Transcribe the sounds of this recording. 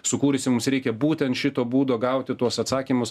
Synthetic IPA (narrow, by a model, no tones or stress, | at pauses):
sʊkuːɾʲɪsʲɪmʊmsɾʲɛɪkʲɛbuːt̪ʲɛnt̪ʃʲɪt̪oːbuːd̪oːɡɐʊt̪ʲɪt̪uɔsɐt̪sɑːkʲiːmʊs